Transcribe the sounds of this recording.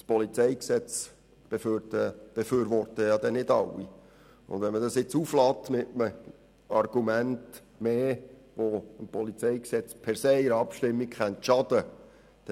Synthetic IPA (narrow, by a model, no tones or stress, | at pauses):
spɔlit͡sɛjksɛt͡s | b̥eftəb̥eføːɾʋɔrt̪əjɑd̪ɛnɪdɑwi | ʊ̰nd̪ʋɛnməd̪ɑsɪt͡suflɑːt̪mɪtəmə | ɑrɡ̥umænt | meː | ʋoəmpʰɔlit͡sɛjksɛt͡spʰɛɾseɪɪɾɑpʃtɪmːikχɛntʃɑd̥̪ə | d̥ɛ